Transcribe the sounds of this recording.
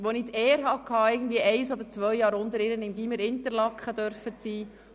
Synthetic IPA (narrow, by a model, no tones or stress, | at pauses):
ʋonɪt̪eːəɾɦɑkʰhɑːɪɡən̩dviəʔɛɪsɔd̪əɾt͡sʋœjjɑːɾʊnd̪əɾɪɾənɪmɡiməɾɪnt̪əɾlɑkχəd̥̪œɾfət͡siː